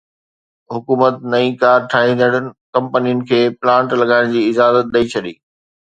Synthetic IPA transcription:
ɦʊkuːmət̪nɐĩkaːɾʈʰaːɦĩːnd̪əɽ̃nɪ̆kɐ̃mpənijʊnɪ̆kʰeːplãːɳʈlɐɠaːɪɽ̃d͡ʑiːɪzaːzət̪̚ɗɐit͡ɕʰɐɗiː

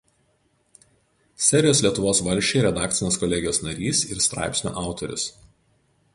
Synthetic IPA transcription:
sʲɛɾʲɪjoːslʲiɛt̪ʊʋoːsʋɐlʲʃʲt͡ʃʲeɪɾʲɛd̪ɑːk̚t̪sʲɪnʲeːskɔlʲɛɡʲɪjoːsnɐɾʲiːsɪɾst̪ɾɑ̰ˑɪpʲsʲnʲo̰ːʔɑˑʊt̪ɔɾʲʊ̰s

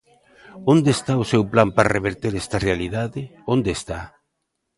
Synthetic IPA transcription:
ond̪est̪aʊsewplampareβ̞eɾt̪eɾɛst̪arealiðaðɪond̪est̪a

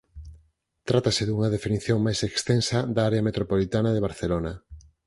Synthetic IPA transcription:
t̪ɾat̪asɪðuŋɐðefiniθjoŋmajsekst̪ensɐd̪aaɾeɐmet̪ɾopolit̪anɐðeβaɾθelonɐ

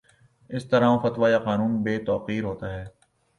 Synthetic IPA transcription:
ɪst̪ɐɾãːõfɐt̪ʋajaqaːnũːnbeːt̪ɔːqiːɾɦoːt̪aɦɛː

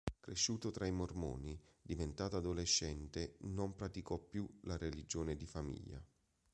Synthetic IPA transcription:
kɾeʃːuːt̪ot̪ɾaimormo̰ːnid̪ivent̪aːt̪ad̪oleʃːɛnt̪enompɾat̪ikɔpːjulaɾelid͡ʒoːned̪ifamḭʎːa̰

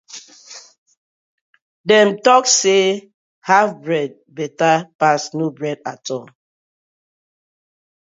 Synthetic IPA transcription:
dɛ̃mtɔkse | hafbɹɛd̚bɛtapasnubɹɛdatʰɔl

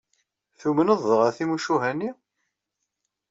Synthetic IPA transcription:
θumənəðˤːəʁæθimuʃuɦænːi

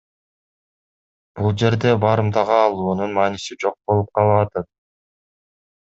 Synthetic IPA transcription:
b̥ulˠd͡ʒe̞ɾd̪e̞bɑɾɯmd̪ɑʁɑːlˠuːnunmɑːnisid͡ʒo̞q̚bo̞lˠup̚qʰɑlˠɑɑt̪ɑt̪̚

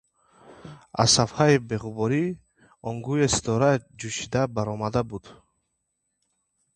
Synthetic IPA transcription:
a̰zsafhaibeʁubɔɾi | ɔŋɡujesi̥t̪ʰɔɾad͡ʒuʃid̪abaɾɔmad̪abud̪̥

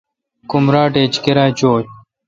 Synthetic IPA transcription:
kumɾaːʈeːt͡ɕkeɾaːt͡ɕoːt͡ɕ

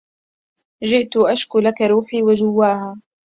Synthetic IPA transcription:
ʒɪʔt̪ʊʔaʃkʊlakaɾˤuːħiːwad͡ʒʊwːaːhaː

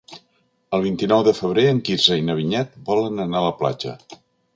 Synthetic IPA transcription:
əlˠβ̞int̪inɔwðəfəβ̞ɾeəŋkizəinəβ̞iɲɛt̪̚bɔlənənaləpla̰d͡ʒə̰

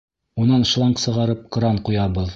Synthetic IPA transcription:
unɑnʃlˠɑɴqsɤ̆ʁɑɾɤp̚qɾɑɴqujɑβɤð

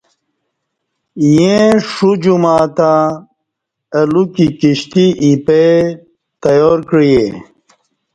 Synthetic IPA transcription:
jẽʂud͡ʑumaːt̪ã | ɐlukikiɕt̪iʔipe | t̪ɐjoːɾkɻije

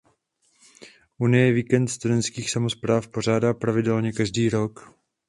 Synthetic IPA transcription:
ʔunɪjɛviːkɛnt̪st̪udɛnt̪skiːxsamo̞spɾaːfpor̝aːdaːpɾavɪdɛlɲɛkaʒdiːɾo̞k

